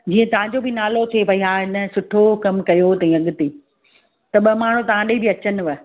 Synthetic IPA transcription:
d͡ʑiːə̃t̪ɐʋ̤ãɲd͡ʑobɪnaːlot̪ʰepɐiɦaɦɪnə̆sʊʈʰokɐmkɐjot̪ɐĩɐɡʊt̪iː | t̪ɐɓɐmaːɳ̤ũt̪ɐʋ̤ãɗeibɪɐt͡ɕənɪ̆ʋə

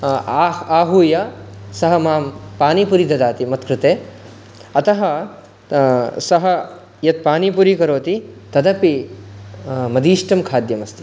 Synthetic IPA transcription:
aːɦuːjɐsɐɦɐmaːmpaːnipuɾid̪ɐd̪aːt̪imɐt̪kɾɨt̪eː | ɐt̪ɐɦɐ | sɐɦɐ | jɐt̪̚paːnipuɾikɐɾoːt̪it̪ɐd̪ɐpi | mɐd̪iːʂʈɐmkʰaːd̪jɐmɐst̪i̥

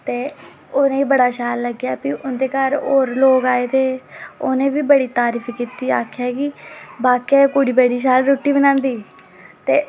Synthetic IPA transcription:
t̪eː | ʊnẽːiːbəɽaːʃaːlːəɡjaːpiʔʊnd̪eːkəɾoːɾloːkaːeːt̪eːʊnẽːbiːbəɽiːt̪aːɾiːfʰikiːt̪iːa̰ːkʰaːkɪbaːkːɛːkʊɽiːbəɖiːʃ̬aːlɾoːʈːiːbənãːnd̪iː | t̪eː

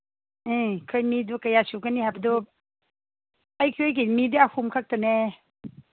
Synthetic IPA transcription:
ɯkʰɯjmidukajasukanihapdu | ajkʰɯjk̬inmiduahʰumkʰak̚tɔne

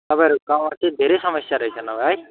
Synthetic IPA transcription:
t̪ʌpãj̃ɾukammat̪id̪ʱeɾejsʌmʌsjaɾʌɦjt͡sʰʌnʌɡaj

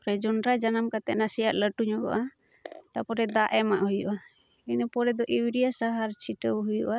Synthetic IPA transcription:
pɾɛd͡ʒɔnɾad͡ʒanamkat̪ɛʔ̪nasijaʔləʈuɲɔɡɔ̰ʔa | t̪apɔɾɛd̪aʔɛmaʔhujṵʔa | inəpɔɾɛd̪ɔʔiwɾijasaɦaɾt͡ʃʰiʈəwɦujuʔa

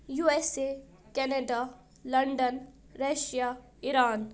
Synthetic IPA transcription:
juese | kɛneɖa | lɐɳɖən | ɾeʃija | iɾaːn

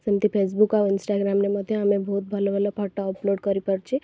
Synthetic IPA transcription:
sənt̪ipʰeːs̬bukaʋɪnsʈaɡɾaːmnemad̪ʱjeamẽbʱoːt̪̚bʱəlʋələpaʈːaɔploːɖkəɾipəɾt͡ʃʰe

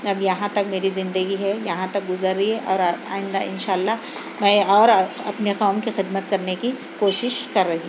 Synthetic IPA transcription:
ɐbjɐɦãt̪ɐkmeːɾizɪ̃nd̪əɡiɦɛjɐɦãt̪ɐk̚ɡʊzəɾːiɦɛʔɔːɾa̰ːɪ̃nd̪aɪ̰̃nʃaːlːaɦ | mɛ̃ːɔːɾɐpneqɔːmkixɪd̪mət̪kɐɾneki | koːʃɪʃkɐɾːɐɦĩ

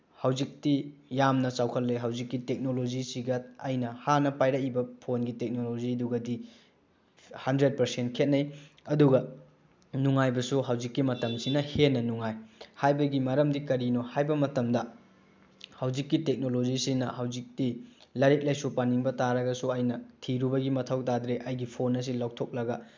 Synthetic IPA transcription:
hawzik̚tijamnɐt͡ʃawkʰɐlːeɦɐwzikːitek̚nolod͡ʒisiɡɐɐjnɐhanɐpajɾɐkibɐpʰonɡitek̚nolod͡ʒiduɡɐdi | hɐndɾed̚pɐɾsent̚kʰet̚nɐj | ɐduɡɐ | nuŋajbɐsuɦɐwd͡ʒikːimɐtɐmsinɐhenːɐnuŋajhajbɐɡimɐɾɐmdikɐɾinohajbɐmɐtɐmdɐ | hɐwzikːitek̚nolod͡ʒisinɐhɐwzik̚tilɐɾet̚lɐjsupaniŋbɐtaɾɐɡɐsuɐjnɐtʰiɾubɐɡimɐtʰɐwtadɾeʔɐjɡipʰonɐs̬ilaw̚tʰok̚lɐɡɐ

